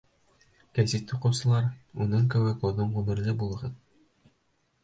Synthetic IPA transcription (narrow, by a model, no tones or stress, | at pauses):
kæsit̪ːuqɤ̆wsɤ̆lˠɑɾunɤɴkɘ̆wɘkoðoɴʁʉmɘ̆ɾlɘbulˠɤ̆ʁɤð